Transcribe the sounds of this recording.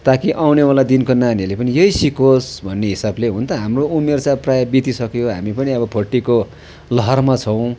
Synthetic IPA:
t̪akiʔawnewalad̪inkonanilepʌnijʌjsikosbʱʌnːeɦisableɦũnt̪ʌɦamroumert͡sãprajʌbit̪isʌkjoɦa̰mipʌniʌbʌpʰoʈːiko | lʌɦʌrmat͡sʰʌ̃w̃

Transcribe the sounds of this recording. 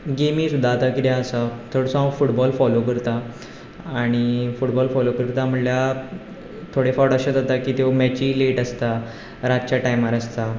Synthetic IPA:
ɡemiːsud̪ʱːat̪akit̪ɛ̃əsat̪ʰoɽsɔãfuʈbɔlfɔlokəɾt̪a | aɽ̃ifuʈbɔlfɔlokəɾt̪am̤əʈlja | t̪ʰoɽefawɽəɕəd͡zat̪akiːt̪emɛt͡ɕiːleʈəst̪a | ɾad͡ʑt͡ɕjaʈajmaɾəst̪a

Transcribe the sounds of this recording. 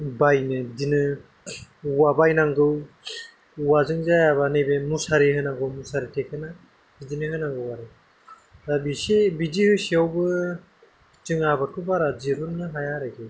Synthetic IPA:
bajnɯdinɯ | wabajnaŋɡɯw | uwazɯŋzajaβanebemusaɾihɯnaŋɡɯwmusaɾitʰekʰɯna | bidinɯɦɯnaŋɡɯwaɾɯ | ɾabisebid͡ʒihɯsiawbɯ | t͡ʃɯŋabat̚kʰɯbaɾad͡ʒiɾunnɯɦajaɾaɡe

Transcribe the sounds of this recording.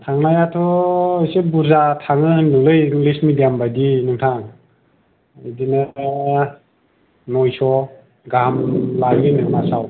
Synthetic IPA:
tʰaŋnajatʰɔːjsebuɾzatʰaŋɯnɯlɯjiŋlismidijambadinɯŋtʰaŋ | idine | nɔjsɔ | ɡamlajminɯŋnasaw

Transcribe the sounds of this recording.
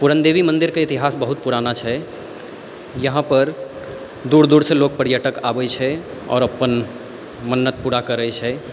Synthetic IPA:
puɾənd̪ebimə̃nd̪iɾkeit̪iɦaːsbəɦut̪̚puɾanat͡ʃʰɛ | jəɦãpəɾ | d̪uːɾd̪uɾseloɡ̚pəɾjəʈəkabɛt͡ʃʰɛ | ɔ̰ːɾəpːən | mənːət̪̚puɾakəɾəjt͡ʃʰɛ

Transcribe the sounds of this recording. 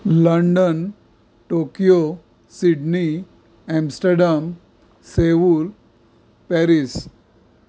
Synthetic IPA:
ləɳɖən | ʈokijo | siɖni | emsʈəɾɖam | seʋul | pɛɾis

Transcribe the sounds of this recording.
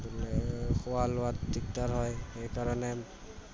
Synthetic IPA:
xɔwalʊatdik̚taɹɦɔjxejkaɹɔnɛ

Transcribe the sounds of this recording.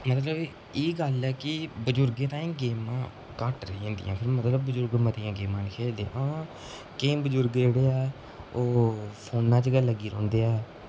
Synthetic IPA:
mət̪ləb | eːɡəlɛːkɪbəd͡ʒʊɾɡẽːt̪ãːĩːɡeːmãː | kəʈɾəiːãːnd̪ḭjã̰ːpʰɪɾmət̪ləbːəzʊɾɡmət̪ijãːɡeːmãːnkʰeːld̪ḛ̃ʔa | kẽːbəd͡ʒʊɾɡd͡ʒeːɽeːɛː | oːpʰoːnãːt͡ʃɡəlːəɡiːɾɔ̰̃ːnd̪eːɛː

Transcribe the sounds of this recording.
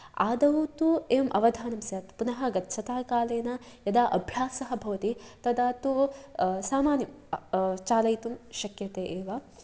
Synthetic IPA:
aːd̪ɐut̪uemʔɐ̰ʋɐd̪ʱaːnɐmsjaːt̪punɐɦɐɡɐtːʃʰɐt̪aːkaːleːnɐjɐd̪aːʔɐbʱjaːsɐɦɐbʱɐʋɐt̪it̪ɐd̪aːt̪usaːmaːnjɐm | t͡ʃaːlɐjt̪umʃɐkjɐt̪eːʔeːʋa

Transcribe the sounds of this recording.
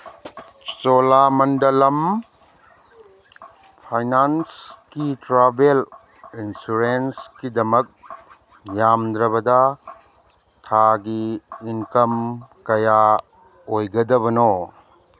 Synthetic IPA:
t͡ʃolamɐndɐlɐm | pʰajnanskitɾabel | insuɾenskidɐmɐk̚ | jamd̪ɾɐβɐdɐ | tʰaɡiːnkɐmkɐja | ojɡɐdɐβɐno

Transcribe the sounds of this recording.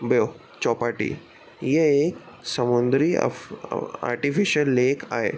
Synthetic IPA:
bəjo | t͡ɕɔːpaʈḭ | jeek | sɐmund̪ɾḭ | a̰ːɾʈifiʃəlːeːkaːɦḛ

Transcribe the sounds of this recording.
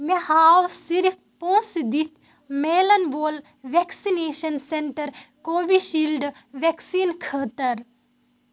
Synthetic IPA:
mehaːwsiɾif | põːsd̪it̪ʰ | meːlɐnboːl | ʋeksineːʃɐnseɳʈɐɾkoːʋiʃilɖʋeksiːnkʰəːt̪ɐɾ

